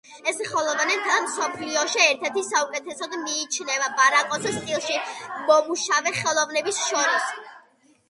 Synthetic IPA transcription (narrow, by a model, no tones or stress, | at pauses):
ɛsχɛlˠɔvanɛt̪ʰamsɔpʰliɔʃiɛɾt̪ʰɛɾt̪ʰisaukʼɛt̪ʰɛsɔd̪miːt͡ʃʰnɛvabaɾakʼɔsʰɛst̪ʼilˠʃimɔmuʃavɛχɛlˠɔvnɛbisʃɔɾis